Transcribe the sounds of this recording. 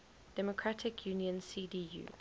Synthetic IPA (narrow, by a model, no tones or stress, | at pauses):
d̥ɛmɔkʰɹatʰɪkʰjuːniə̃nsiːdiːjṵː